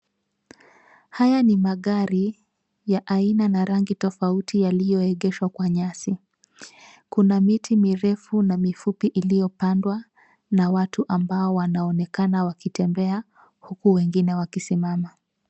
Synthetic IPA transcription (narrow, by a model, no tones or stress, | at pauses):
hajanimaɠaɾi | jaʔainanaɾaŋɡitɔfautijalijɔɛɠɛʃwakwaɲasi | kunamitʰimiɾɛfunamifupiʔilijɔpandwa | nawatʰuʔambaɔwanaɔnɛkanawakitɛmbɛa | hukuwɛŋɡinɛwakisimama